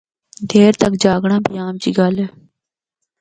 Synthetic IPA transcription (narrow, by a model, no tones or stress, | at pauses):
d̪ʱeːɾt̪əkd͡ʒaːɡɽãːbiːaːmt͡ʃḭːɡəl